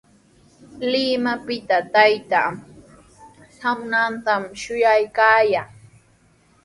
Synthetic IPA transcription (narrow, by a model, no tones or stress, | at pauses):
lɪmapɪt̪at̪ajt̪a | samnant̪amʃʊjajkaːjaː